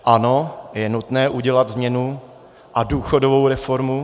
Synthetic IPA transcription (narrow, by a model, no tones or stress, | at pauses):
ʔano̞jɛnut̪nɛːʔuɟɛlad̪zmɲɛnu | ʔaduːxodovowɾɛfoɾmu